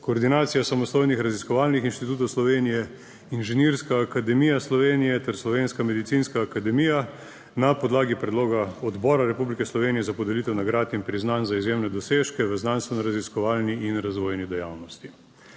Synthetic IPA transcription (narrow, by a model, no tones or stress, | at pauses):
koːɾd̪inaːt̪sijasamɔst̪oːjnixɾaziskɔʋaːlnixinʃt̪it̪uːt̪̬ɔwslɔʋeːnijɛ | inʒɛniɾskaːkad̪ɛmijaslɔʋeːnijɛt̪ɛɾslɔʋenskamɛd̪it̪sinskaːkad̪ɛmija | napɔd̪laːɡipɾɛd̪loːɡaɔd̪bɔːɾaɾɛpublikɛslɔʋeːnijɛzapɔd̪ɛlit̪ɛwnaɡɾaːt̪inpɾiznanzaizjeːmnɛd̪ɔseːʃkɛʋəznanst̪ʋɛnɔɾaziskɔʋaːlniinɾazʋoːjnid̪ɛjawnɔst̪i